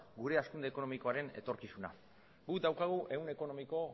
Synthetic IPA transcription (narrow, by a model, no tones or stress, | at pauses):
ɡuɾe̞askund̪eko̞no̞miko̞aɾe̞ne̞̰t̪o̞ɾkisuna̰ | ɡud̪awkaɣ̞uʔe̞une̞ko̞no̞miko̞